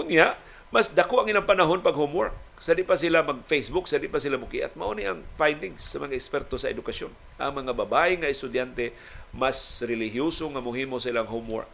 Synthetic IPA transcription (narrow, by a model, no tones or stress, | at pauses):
kʊnjaʔ | masd̪akoʔaŋilaŋpanaɦonpaɡhomwaɹk̚ | sad̪ɪpas̬ilamaɡ̚fejsbʊksad̪ɪpasilamʊkiʔa̰t̪̚maʔuniʔaŋfajnd̪ɪŋsːamɐŋaʔɪkspɛɾt̪osaɛ̰d̪ʊkasjon | ʔa̰ŋmɐŋababaʔɪŋaɪst̪ʊd̪jant̪e | masɾɪlɪɦjusoŋamʊɦimosailaŋɦomwa̰ɹk̚